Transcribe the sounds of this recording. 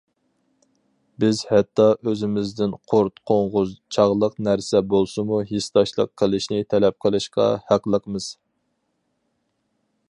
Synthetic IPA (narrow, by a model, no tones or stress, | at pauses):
bɪzhɛt̪ːɑʔøzɪmɪzd̪ɪnqʰoɾt̪qʰoŋʁʊzt͡ʃʰɑʁlˠəqnæɾsɛbolˠsɨmuɦist̪ɑʃlˠə̰qʰːəlˠɨʃnɪt̪ʰɛlɛp̚qʰəlˠɨʃqɑ̰hæqlˠəqmɨz̥